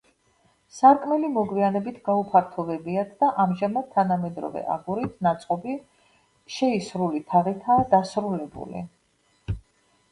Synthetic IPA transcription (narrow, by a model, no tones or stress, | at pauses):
saɾkʼmɛlimɔɡwianɛbit̪ʰɡaupʰaɾt̪ʰɔvɛbiat̪ʰd̪aʔamʒamad̪̚t̪ʰːanamɛd̪ɾɔ̰vɛ̰ʔa̰ɡuɾit̪ʰnat̪sʼqʼɔbi | ʃɛisɾulit̪ʰaʁit̪ʰaːd̪asɾulɛbṵlḭ